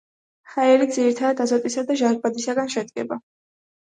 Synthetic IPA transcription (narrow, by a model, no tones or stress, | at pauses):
χaɛɾid̪ziɾit̪ʰad̪ad̪azɔt̪ʼisad̪aʒaɡ̚bad̪isaɡanʃɛd̪ɡɛba